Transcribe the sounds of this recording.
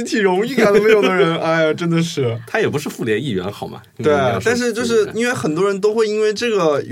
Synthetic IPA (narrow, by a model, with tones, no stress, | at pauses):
i˥t͡ɕʰi˨˩ɻʊ˧˥ŋi˥˩ka˨˩lə˧m˧˥jo˨˩˧d̪ə˧ɻə˧˥nʔa˥˩ɪ˩ʈ͡ʂə˥nd̪ə˨ʂɻ̩˥˩t̪ʰa˥jɛ˨˩pu˧˥ʂɻ̩˥˧fu˥˩ljɛ˧˥ni˥˩ɥɛ̰˧˥nxɑ˨˩ʊmɐ̰˦t̪we˥˩ɪ˥˩t̪a˥˧nʂ̬ɻ̩˥˧t͡ɕjo˥˧ʊʂ̬ɻ̩˥˩i˥nwe˥˩ɪxə˨˩nt̪wɔ˥ɻə˧˥nt̪o˥ʊxwe˥˩ɪi˥nwe˥˧ɪʈ͡ʂɤ˥˩ɡə˩